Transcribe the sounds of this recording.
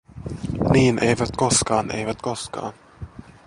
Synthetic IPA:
niːnʔejʋæt̪koskɑːnʔḛjʋæt̪koskɑ̰ːn

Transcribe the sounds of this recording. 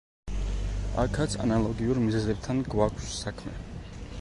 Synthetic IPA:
akʰat̪sʰa̰nalˠɔɡiuɾmizɛzɛb̚t̪ʰanɡwakʷʰsːakʰmɛ̰

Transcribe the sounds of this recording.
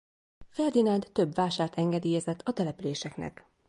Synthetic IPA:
fɛrd̪inɒnd̪t̪ø̞bʋaːʃaːrt̪ʰɛŋɡɛd̪iːjɛzɛt̪ʰːɒt̪ɛlɛpyleːʃɛknɛ̰k

